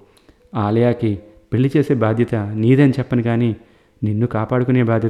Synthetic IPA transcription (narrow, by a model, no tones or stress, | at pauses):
aːlɐjaːki | peɭːit͡ʃe̞ːse̞ːbaːd̪ʱjɐt̪ɐniːd̪ɐnit͡ʃɛpːɐnikaːniː | ninːukaːpaːɽukune̞ːbaːd̪ʱjɐ